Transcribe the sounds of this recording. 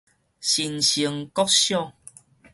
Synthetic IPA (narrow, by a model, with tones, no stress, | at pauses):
ɕi˧nɕi˨˧əŋkɔ˦k̚ɕjɔ˥˨ŋ